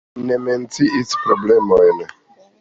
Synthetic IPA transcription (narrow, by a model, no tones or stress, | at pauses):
nement͡siʔispɾoblemojn